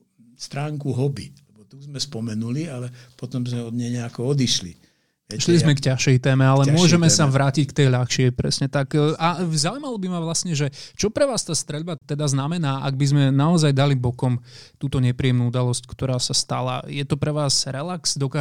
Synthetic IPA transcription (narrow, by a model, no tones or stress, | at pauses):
st̪ɾaːŋkuɦɔbḭlɛbɔt̪uzmɛspɔmɛnulialɛpɔt̪ɔmzmɛɔd̪ɲɛɲɛakɔɔd̪iʃlḭ | ɛʃlizmɛkcaʃɛjt̪ɛːmɛalɛmʊɔʒɛmɛsaʋɾaːcickt̪ɛjʎaxʃɪɛpɾɛ̰sɲɛt̪akʔazaːuimalɔbimaʋlasɲɛʒɛt͡ʃɔpɾɛʋaːst̪aːst̪ɾɛʎbat̪ɛd̪aznamɛnaːʔaɡ̚bizmɛnaɔzajd̪alibɔkɔmt̪uːt̪ɔɲɛpɾiɛmnuːud̪alɔsckt̪ɔɾaːsast̪a̰la̰jɛt̪ɔpɾɛʋaːzɾɛlaksd̪ɔkaː